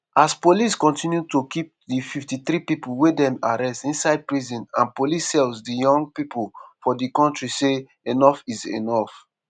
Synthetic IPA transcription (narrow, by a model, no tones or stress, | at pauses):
aspoliskɔ̃ntĩnjutokip̚ | dififtiθɾipipolwedɛ̃maɹɛstĩnsaɪd̚pɹizĩnãnpolisːɛlzdijɔ̃ŋɡ̚pipolfɔdikɔ̃ntɹise | enɔfizḛnɔf